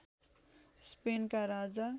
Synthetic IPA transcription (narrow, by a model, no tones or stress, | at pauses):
spenkaɾad͡za